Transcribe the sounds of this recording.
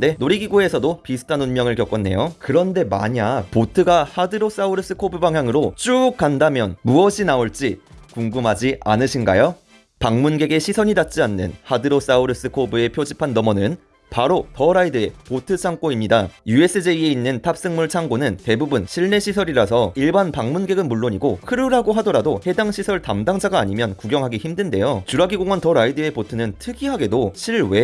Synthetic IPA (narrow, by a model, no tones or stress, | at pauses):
de̞noɾiɡiɡoe̞sʰʌdopisʰɯ̥tʰanonmjʌŋɯɭkjʌk͈ʌnːe̞̰jokɯɾʌnde̞ma̰ɲapotʰɯɡahadɯɾos͈auɾɯs͈ɯkʰobɯbaŋɦjaŋɯɾot͡ɕ͈uːk͈andamjʌnmuʌɕʰinaoɭt͡ɕ͈ikuŋɡɯmɦad͡ʑiʔa̰nɯɕʰinɡa̰jo | paŋmunɡe̞ɡe̞ɕʰisʰʌɲidat͡ɕ͈ianːɯ̰nhadɯɾos͈auɾɯs͈ɯkʰobɯe̞pʰjod͡ʑipʰanːʌmʌnɯn | paɾotʌɾaidɯepotʰɯt͡ɕʰaŋk͈oimɲidajue̞s͈ʰɯd͡ʑe̞ie̞inːɯntʰap̚s͈ɯŋmuɭt͡ɕʰaŋɡonɯnte̞bubunɕʰiɭne̞ɕʰisʰʌɾiɾasʰʌiɭbanpaŋmunɡe̞ɡɯnmuɭːoɲiɡohɯɾɯɾɦaɡoɦadʌɾadohe̞daŋɕʰisʰʌɭtamdaŋd͡ʑʰaɡaːɲimjʌnkuɡjʌŋɦaɡiçimdɯnde̞̰jot͡ɕuɾaɡiɡoŋwʌntʌɾaidɯe̞potʰɯnɯntʰɯɡiɦaɡe̞doɕʰiɭwe̞